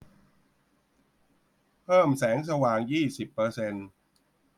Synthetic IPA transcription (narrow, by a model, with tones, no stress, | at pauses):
pʰɤː˥˩msɛː˩˦ŋs̬a˧waː˨˩ŋjiː˥˩si˨˩pːɤː˧se˧n